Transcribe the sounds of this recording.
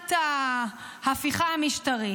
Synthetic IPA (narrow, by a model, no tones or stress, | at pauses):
t̪a | hafiχahamiʃtaʁi